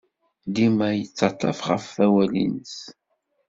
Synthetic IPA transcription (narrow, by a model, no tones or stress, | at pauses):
d̪imæjət͡sːɑt̪ˤːɑfʁəfːæwælḭnəs